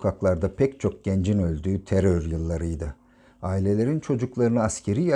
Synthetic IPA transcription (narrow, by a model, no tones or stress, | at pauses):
kʰaklˠaɾd̪apʰɛct͡ʃʰo̞k̚ɟ̥ɛnd͡ʒinø̞lʲd̪yːt̪ʰeɾøɾjɯlˠːaɾɯjd̪ɯ | aːilʲe̞lʲe̞ɾint͡ʃʰo̞d͡ʒuklˠaɾɯnɯascʰe̞ɾija